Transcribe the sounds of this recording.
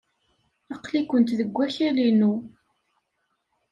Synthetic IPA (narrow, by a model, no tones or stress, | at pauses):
ɑqlikʷənt̪ðəɡʷːæçælinu